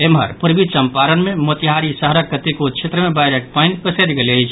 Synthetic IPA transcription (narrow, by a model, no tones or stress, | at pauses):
emɦə̰ɾpuɾbit͡ʃəmpaɾənmemot̪iɦaɾisəɦɾəkːət̪ekot͡ʃʰet̪ɾəmebajɾeʈ̚pəjnkəsed̪ɡeleət͡ʃʰ